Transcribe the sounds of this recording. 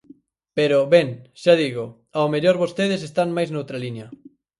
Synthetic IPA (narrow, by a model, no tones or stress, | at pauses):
peɾoβeŋʃaðiɣo | aomeʎoɾβost̪eðesest̪aŋmajznowt̪ɾalinjɐ